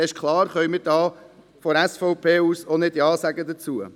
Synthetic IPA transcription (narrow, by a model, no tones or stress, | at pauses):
ɪʃkʰlˠɑːɾχœʏmɪɾdɑː | fɔɾɛsfɔʊpʰeːuːsonɪtdiɑːsæɡədət͡suə